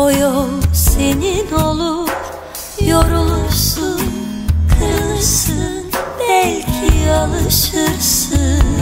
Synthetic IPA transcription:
ojosenino̞lˠup | joɾulˠuɾsunkʰɯɾlˠɯsɯnbɛlʲcʰialˠɯʃɯɾsɯ

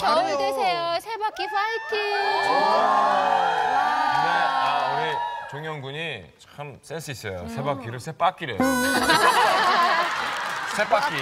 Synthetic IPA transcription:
kʌdesʰejosʰebak͈ipʰaitʰi | ineauit͡ɕoŋjʌŋɡuɲit͡ɕɯms͈ens͈ʰɯis͈ʌjosʰe̞bak͈iɾɯɭsʰep͈ak͈iɾeo | sʰep͈ak͈i

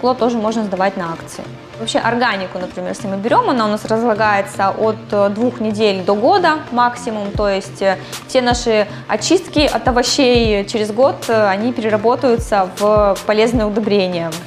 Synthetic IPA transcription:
klˠot̪o̞ʐɨmo̞ʐnəzd̪ɐvatʲnɐakt̪sɨ̰ɪ̰ | vɐpɕʲe̞ʔɐrɡanʲɪkʊnəpɾʲɪmʲerjesʲlʲɪmɨbʲɪɾʲo̞mɐnaʊnasrəzlˠɐɡajɪt̪səʔot̪d̪vuxnʲɪdʲelʲd̪o̞ɡo̞d̪əmaksʲɪmʊmt̪o̞jɪsʲtʲfsʲe̞naʂɨ | ɐ̰t͡ɕːist̪kʲɪʔɐt̪əvɐɕːejt͡ɕɪɾʲɪzɡo̞t̪ɐnʲipʲɪɾʲɪrɐbo̞t̪əjʊt̪səvpɐlʲe̞znɨjəʊd̪ɐbɾʲenʲɪjə

